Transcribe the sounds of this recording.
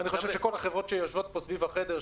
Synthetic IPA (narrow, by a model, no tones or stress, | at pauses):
aniχoʃevʃeko̞laχevʁotʃejoʃvot̪̚posvivaχed̪eʁ